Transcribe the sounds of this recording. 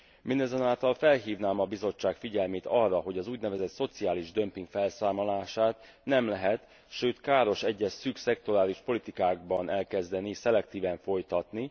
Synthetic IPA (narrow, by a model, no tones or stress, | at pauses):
mind̪ɛzɛnaːlt̪ɒlfɛlɦiːvnaːmɒbizo̞t͡ʃːaːkfiɟɛlmeːt̪ɒrːɒɦo̞ɟɒzuːɟnɛvɛzɛt̪so̞t̪siaːliʒd̪ø̞mpiŋkfɛlsaːmolaːʃaːt̪ | nɛmlɛɦɛt̪ | ʃøːt̪kaːɾo̞ʃɛɟːɛsːyksɛk̚t̪o̞ɾaːliʃpo̞lit̪ikaːɡ̚bɒnɛlkɛzd̪ɛnisɛlɛkt̪iːvɛɱfo̞jt̪ɒt̪ni